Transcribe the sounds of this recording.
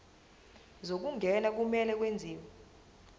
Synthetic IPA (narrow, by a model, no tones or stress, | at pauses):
zok̬uŋɡʱɛnak̬umɛlɛk̬wend͡zʱiːwɛ